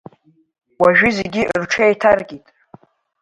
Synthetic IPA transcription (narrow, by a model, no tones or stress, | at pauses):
waʒᶣɪzeɡʲirʈ͡ʂʰejtʰarɡʲʼitʼ